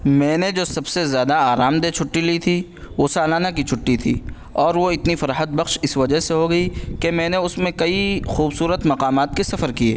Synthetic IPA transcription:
mɛ̃ːned͡ʒoːsɐbsezjaːd̪aaːɾaːmd̪et͡ʃʰʊʈːilit̪ʰi | ʋoːsaːlaːnak̬it͡ʃʰʊʈːit̪ʰḭː | ɔːɾʋoɪt̪nifɐɾaːɦət̪̚bɐxʃɪsʋɐd͡ʒəɦseɦoɡɐikemɛ̃ːneʊsmẽkɐixuːbsuːɾət̪mɐqaːmaːt̪̚kesɐfəɾkiḛː

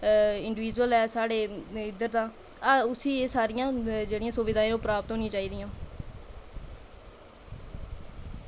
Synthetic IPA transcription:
ɪɳɖɪʋɪːd͡ʒuəlɛːsaːɽeːɪd̪əɾd̪ãː | ʊsiːeːsaːɾɪjãːd͡ʒeːɽɪjãːsʊʋɪd̪aːĩːnõːpɾaːpət̪ɦoːnĩːt͡ʃaːiːd̪ɪjãː

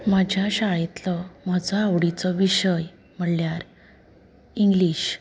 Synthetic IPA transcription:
mad͡ʑʱjaɕaɦit̪lɔmad͡zɔaʋɽit͡sɔʋiɕəj | m̤əɽljaɾ | iŋɡliɕ

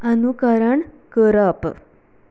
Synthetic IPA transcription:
ənukaɾəɳ | kəɾap

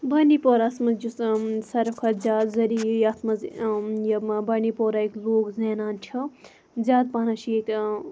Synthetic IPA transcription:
bɐnipoːɾasmɐd͡ʒussɐɾɐkʰɐzʲaːd̪zɐɾijat̪ʰmɐzjɐbɐnipoːɾaikloːkzeːnaːnt͡ʃʲʰɐ | zʲaːd̪̚paːnɐʃʰiek

